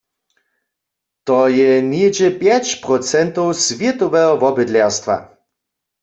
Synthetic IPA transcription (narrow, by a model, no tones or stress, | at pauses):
t̪ɔjɛned͡ʑɛpjɛt͡ɕpʁɔt͡sɛnt̪owsvjɛt̪ɔʋɛɦɔvɔbɪd̪lɛʁst̪va̰